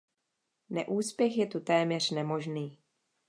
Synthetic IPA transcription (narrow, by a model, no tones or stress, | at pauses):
nɛʔuːspjɛxjɛt̪ut̪ɛːmɲɛr̝̥nɛmo̞ʒniː